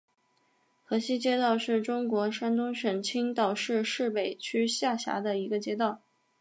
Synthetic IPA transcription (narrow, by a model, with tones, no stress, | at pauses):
xɤ˧˥ɕi˥t͡ɕjɛ˥t̪ɑ˥˧ʊʂɻ̩˥˩ʈ͡ʂʊ˥ŋkwɔ˧˥ʂa˥nt̪̬ʊ˥ŋʂə˨˩nt͡ɕʰi˥ŋt̪ɑ˨˩ʊʂɻ̩˥˧ʂɻ̩˥˩pe˨˩ɪt͡ɕʰy˥ɕja˥˩ɕja̰˧˥d̪ə˧i˧˥ɡə˧t͡ɕjɛ˥t̪̬ɑ˥˩ʊ